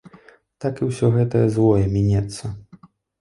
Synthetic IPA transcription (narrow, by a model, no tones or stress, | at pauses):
t̪akiwsʲɔɣɛt̪ɐjɐzvɔjɛmʲɛnʲɛt̪sːɐ